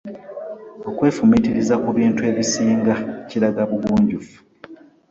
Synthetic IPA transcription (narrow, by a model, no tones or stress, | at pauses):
o̞kwe̞ːfumitiɾizakuβiːntue̞ːβisiːŋɡaeciɾaɡaβuɡuːɲɟufu̥